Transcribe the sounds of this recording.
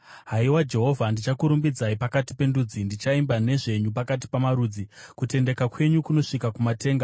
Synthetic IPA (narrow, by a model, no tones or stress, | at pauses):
ɦaiwad͡ʒe̞ɦo̞vʱandit͡ʃakuɾumbid͡zaipakati̥pe̞ndud͡zindit͡ʃaimbane̞ʐe̞ɲupakat̬i̥pamaɾud͡zikute̞nde̞kakwe̞ɲukuno̞ʂikakumate̞ːŋɡa